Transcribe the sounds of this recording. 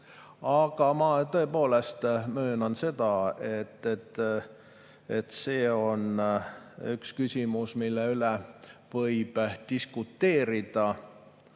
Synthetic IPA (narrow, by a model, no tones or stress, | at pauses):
ɑɡ̥ɑmɑt̪ɤ̞epo̞ːle̞st̪møːnɑnse̞d̪̥ɑet̪ːet̪ː | et̪seːo̞n | ykskysʲimusmilːeylevɤjb̥d̪̥iskut̪ːe̞ːɾid̪̥ɑ